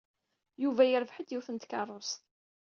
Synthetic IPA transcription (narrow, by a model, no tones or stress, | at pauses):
juvæjəɾvħəd̪juθənt̪kɑrˤːost̪